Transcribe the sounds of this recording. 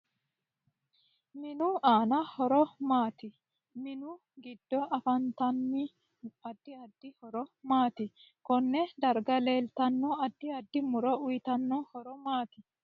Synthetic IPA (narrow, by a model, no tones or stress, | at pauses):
mɪnʊʔaːnɐhɔɾɔmaːt̪ɪ | mɪnʊ | ɡɪd̪̥ːɔʔɐfɐnt̪ɐnːɪ | ɐd̪̥ːɪɐd̪̥ːɪhɔɾɔmaːt̪ɪkɔnːɛd̪ɐɾɡɐleːlt̪ɐnːɔɐd̪ːɪɐd̪ːɪmʊɾɔʊjt̪ɐnːɔhɔɾɔmaːt̪ɪ